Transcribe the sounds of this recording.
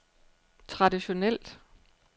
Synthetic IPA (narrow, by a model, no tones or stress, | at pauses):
t͡sʰʁɑ̈d̥iɕo̝nel̰d̥